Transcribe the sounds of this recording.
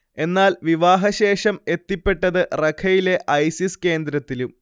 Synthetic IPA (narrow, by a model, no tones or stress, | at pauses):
e̞nːaːlʋiʋaːɦɐɕe̞ːʂɐme̞t̪ːipːe̞ʈːɐðɨrɐkʰɐjile̞ʔɐjsiske̞ːnd̪ɾɐt̪ːilum